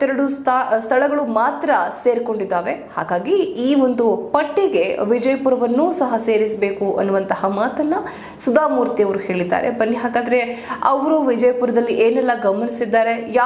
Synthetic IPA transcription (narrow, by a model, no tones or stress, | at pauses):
t̪ːɛɾɐɽust̪ʰast̪ʰɐɭɐɡɐɭumaːt̪ɾɐse̞ːɾko̞ɳɖid̪ːaːʋe̞ha̰ːɡaːɡiiːʋo̞nd̪upɐʈːiɡe̞ʋid͡ʒɐjɐpuɾɐʋɐnːuːsɐɦɐse̞ːɾisbe̞ːkuʔɐ̰nːuʋɐnt̪ɐhɐmaːt̪ɐnːɐ | sud̪aːmuːɾt̪ijɐʋɐɾuhe̞ːɭid̪ːa̰ːɾe̞̰bɐnːiɦaːɡaːd̪ɐɾe̞ɐ̰ʋɾuʋid͡ʒɐjɐpuɾɐd̪ɐlːiʔeːnɛlːɐɡɐmɐnisid̪ːaːɾe̞jaː